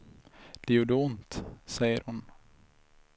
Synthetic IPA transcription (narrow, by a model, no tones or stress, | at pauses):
d̪̥ɛjuːɖɛʊnt̪sɛjəɾhʊn